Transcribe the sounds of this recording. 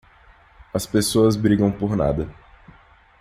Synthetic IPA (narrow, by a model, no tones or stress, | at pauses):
ɐspesoɐzbɾiɡɐ̃w̃poɾna̰d̪ɐ